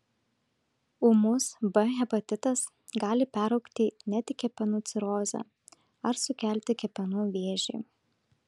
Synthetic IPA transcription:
ʊmʊsbɛɣʲɛpɐt̪ʲɪt̪ɐs | ɡɑːlʲɪpʲæɾɒʊkt̪ʲiːnʲɛt̪ʲɪkʲɛpʲɛnuːt̪sʲɪɾoːzʲɛ̰ | ɐɾsʊkʲæˑlʲt̪ʲɪkʲɛpʲɛnuːʋʲeːʒʲɛː

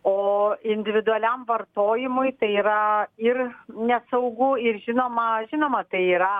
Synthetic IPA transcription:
oːɪnʲd̪ʲɪʋʲɪd̪ʊɐlʲɛmʋɐrt̪oːjɪmʊjt̪ɐɪiːɾɐɪrnʲɛsɐʊɡʊɪrʒʲɪnoːmɐʒʲɪnoːmɐt̪ɐɪiːɾɐ

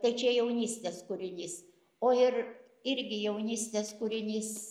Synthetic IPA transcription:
t̪ɐɪt͡ʃʲɛjɛʊnʲiːsʲt̪ʲeːskʊɾʲɪnʲiːs | oːɪr | ɪɾʲɡʲɪjɛʊnʲiːsʲt̪ʲeːskʊɾʲɪnʲiːs

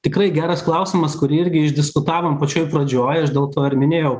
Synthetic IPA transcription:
t̪ʲɪkɾɐɪɡʲæːɾɐsklˠɐʊsʲɪmɐskʊɾʲɪɪɾʲɡʲɪɪʒʲd̪ʲɪskʊt̪ɑːʋoːmpɐt͡ʃʲoːjpɾɐd͡ʒʲoːjɐʃd̪ʲeːlˠt̪oːɪɾʲmʲɪnʲeːjɛʊ

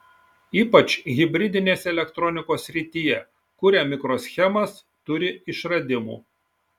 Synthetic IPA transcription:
iːpɐt͡ʃɣʲɪbʲɾʲɪd̪ʲɪnʲeːsʲɛlʲɛkt̪ɾɔnʲɪkoːsʲɾʲɪt̪ʲijɛ | kʊɾʲɛmʲɪkɾoːsʲxʲɛmɐs | t̪ʊɾʲɪɪʃɾɐd̪ʲɪmṵː

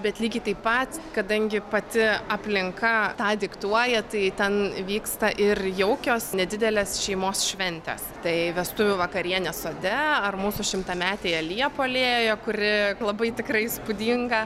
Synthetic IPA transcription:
bʲɛt̪lʲiːɡʲɪt̪ɐɪpɐt̪kɐd̪ɐŋʲɡʲɪpɐt̪ʲɪɐpʲlʲɪŋkɐt̪ɑːd̪ʲɪkt̪uɔjɛt̪ɐɪt̪ʲɛnʋʲiːkst̪ɐʔɪrjɛʊkʲoːsnʲɛd̪ʲɪd̪ʲɛlʲeːsʃʲɛɪmoːsʃʲʋʲɛnʲt̪ʲɛ̰st̪ɐɪʋʲɛst̪ʊʋʲʊʋɐkɐɾʲiɛnʲɛsoːd̪ʲɛɐrmuːsʊʃʲɪmt̪ɐmʲæːt̪ʲeːjɐlʲiɛpoːlʲeːjjoːkʊɾʲɪlˠɐbɐɪt̪ʲɪkrɐɪspʊd̪ʲiŋɡɐ

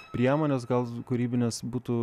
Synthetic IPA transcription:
pʲɾʲiɛmoːnʲeːsɡɐlˠkʊɾʲiːbʲɪnʲeːsbuːt̪u

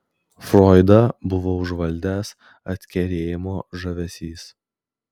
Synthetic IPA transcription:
fɾɔːɪd̪ɐbʊʋoːʊʒʋɐlʲd̪ʲæːs | ɐt̪ʲkʲɛɾʲeːjɪmoːʒɐʋʲɛsʲiːs

